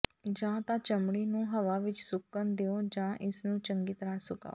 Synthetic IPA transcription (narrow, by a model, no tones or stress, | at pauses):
d͡ʒãːt̪ãːt͡ʃəmɽiːnũːɦəʋaːʋɪt͡ʃsʊkːənd̪eːõːd͡ʒãːʔɪsnũːt͡ʃəŋɡiːt̪əɾaːsʊka̰ː